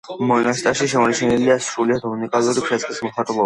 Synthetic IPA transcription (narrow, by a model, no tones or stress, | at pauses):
mɔnast̪ʼaʃiʃɛmɔnt͡ʃʰɛniliasɾuliad̪unikʼalˠuɾipʰɾɛskʼismɔχat̪ʼulˠɔba